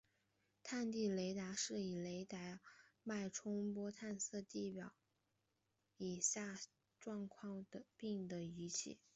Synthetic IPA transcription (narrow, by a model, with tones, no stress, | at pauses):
t̪ʰa˥˧nt̪i˥˩le˧˥ɪt̪a˧˥ʂɻ̩˥˩i˨˩le˧˥ɪt̪a˧˥ma˥˩ɪʈ͡ʂʰʊ˥ŋpwɔ˥t̪ʰa˥˧nsɤ˥˧t̪i˥˩pjɑ˨˩˦ʊ | i˨˩ɕja˥˩ | ʈ͡ʂwɑ˥˧ŋkʰwɑ˥˩ŋd̪ə˩pi˥˩ŋd̪ə˩y˧˥t͡ɕʰḭ˥˩˦